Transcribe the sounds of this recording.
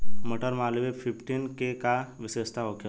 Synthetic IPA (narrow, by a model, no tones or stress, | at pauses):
məʈəɾmalʋefifʈinkekaʋisest̪ʰaɦoke